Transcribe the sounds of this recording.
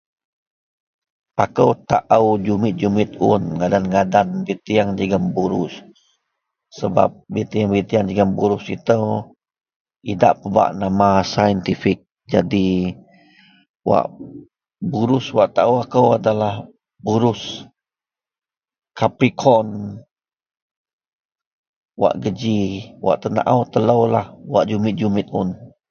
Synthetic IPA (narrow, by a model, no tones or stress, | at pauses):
pakəwt̪aʔəwd͡ʒumɪt̪̚d͡ʒumɪt̪̚ʊ̰nŋadanɡadanbit̪iaŋd͡ʒəɡambuɾʊs | əba̰p̚bit̪iaŋbit̪iaŋd͡ʒəɡambuɾʊsḭt̪əw | ida̰ʔpəba̰ʔnamasajənt̪ifik̚ | d͡ʒadi | wa̰ʔ | buɾʊswaʔt̪aəwakəwadalah | buɾʊs | kapɾikʰɔn | wa̰ʔɡəd͡ʒiwʔa̰ʔt̪əna̰ʔawt̪ələwlahwa̰ʔd͡ʒumɪt̪̚d͡ʒumɪt̪̚ʊ̰n